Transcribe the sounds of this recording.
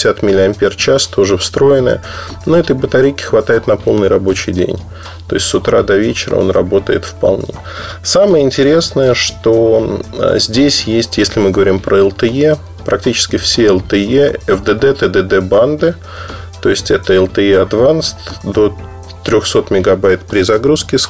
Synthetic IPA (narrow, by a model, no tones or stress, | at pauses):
sʲat̪mʲɪlʲɪɐmʲpʲert͡ɕast̪ʰoʐɨfst̪ɾo̞jɪnə̰jə | noɛt̪əjbət̪ɐɾʲejkʲɪ̥xvɐt̪ajɪt̪nɐpo̞lˠnɨjrɐbo̞t͡ɕɪjdʲḛnʲ | t̪o̞ɪsʲtʲsʊt̪ɾa̰d̪ɐvʲet͡ɕɪɾə̰o̰nrɐbo̞t̪ə̰jɪ̰t̪fpɐ̰lˠnʲḛ | saməjəɪnʲtʲɪɾʲe̞snəjəʂt̪o̞̰ | zʲdʲesʲjesʲtʲjesʲlʲɪmɨɡəvɐɾʲimpɾʔəɛlˠt̪əje | pɾʔɐk̚tʲit͡ɕɪ̥skʲɪfsʲeɛlˠt̪ɨjeɛvd̪əd̪ɛt̪əd̪əd̪ɛband̪ɨ | t̪o̞ɪsʲtʲɛt̪əɛlˠt̪əeɐd̪vanst̪d̪o̞ | t̪ɾʲoxso̞t̪mʲɪɡɐbajt̪pɾʲɪzɐɡɾuskʲɪs